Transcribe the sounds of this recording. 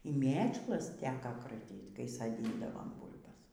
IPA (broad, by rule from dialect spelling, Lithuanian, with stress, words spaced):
iː ˈmʲeːt͡ʃlˠɐs ˈtʲæːkɐ krɐˈtʲiːt kɐɪ sɐˈdʲiːndɐʋɐm ˈbuːlˠbɐs